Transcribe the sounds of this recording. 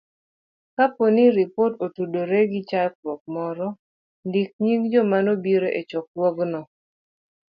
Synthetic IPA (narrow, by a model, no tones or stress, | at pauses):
kaponiɾipototudoɾeɡɪt͡ʃalk̚wɔk̚mɔɾɔ | ndik̚ɲiŋd͡ʒɔmanobiɾoʔet͡ʃɔk̚wɔɡnɔ